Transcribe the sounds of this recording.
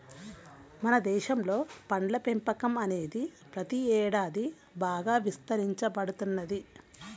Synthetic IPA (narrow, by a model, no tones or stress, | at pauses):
mɐnɐd̪ɛːʃɐmlo̞ːpɐɳɖlɐpempɐkɐmɐne̞ːd̪i | pɾɐt̪iɛːɽaːd̪i | baːɡaːʋist̪ɐɾiɲt͡ʃɐbɐɽut̪unːɐd̪i